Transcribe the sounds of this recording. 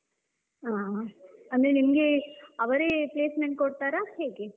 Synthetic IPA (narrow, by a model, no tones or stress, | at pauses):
aːɐnd̪ɾenimɐɡe̞ɐʋɐɾeːpleːsmeɳʈ̚koɽt̪aːɾahe̞ːɡe